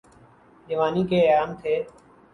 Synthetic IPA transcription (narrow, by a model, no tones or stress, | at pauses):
d͡ʒəʋaːniːkeːaːmt̪ʰeː